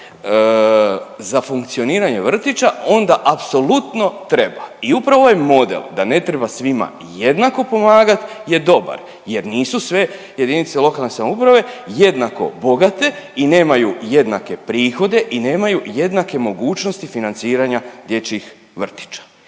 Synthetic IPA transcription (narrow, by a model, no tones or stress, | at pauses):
zafuŋkt̪sio̞niːɾaɲe̞ʋr̩t̪it͡ʃao̞nd̪aʔapso̞lut̪no̞t̪ɾe̞baiupɾaʋo̞je̞mo̞d̪ḛlˠd̪ane̞t̪ɾe̞basʋima̰ | je̞d̪nako̞po̞maːɡat̪ | je̞d̪o̞ba̰ɾ | je̞ɾniːsusʋe̞ | je̞d̪init̪selˠo̞kalne̞samoupɾaʋe̞je̞d̪nako̞̰bo̞ɡat̪e̞ine̞ːmajuje̞d̪nake̞pɾiːxo̞d̪e̞ʔine̞ːmajuje̞d̪nake̞mo̞ɡuːt͡ʃnost̪ifinant̪siːɾaɲad̪je̞t͡ɕix | ʋr̩t̪i̥t͡ʃḁ